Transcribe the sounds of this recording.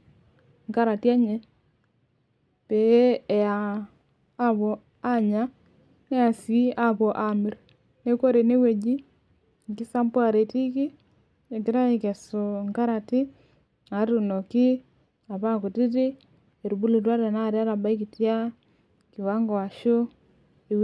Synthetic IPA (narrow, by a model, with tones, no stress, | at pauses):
ŋka˦ɾa˨ti˦a˦ɲe˦ | peː˨˦˨jaː˨˦ | βɔ˨ | a˦ɲa˦ | ne˦a˨sii˦a˨βɔ˨ʔa˨mi˨ɾ | ne˦ko˦ɾe˨ne˦we˨d͡ʒi˦ | ŋki˦sa˦mpwa˨ɾe˨ti˦ki˦ | e˨ki˨ɾa˦i˨ke˨so˨ŋka˦ɾa˨ti˦ | a˨˦ɾu˨no˨ki˦ | a˨βa˦ku˨ti˦ti˦ | e˨ɾu˨bu˦lu˨twa˦ɾa˨na˦ɾja˦ɾa˨ba˦i˦ki˨tja˦ | ki˨wa˦ŋɡo˨wa˨ʃo˦ | e˨w